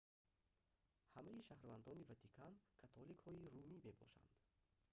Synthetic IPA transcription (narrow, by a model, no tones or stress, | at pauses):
hamaiʃahɾvand̪ɔnivat̪ʰikʰankʰat̪ʰɔlikhɔiɾumime̞bɔ̰ʃa̰nd̪̥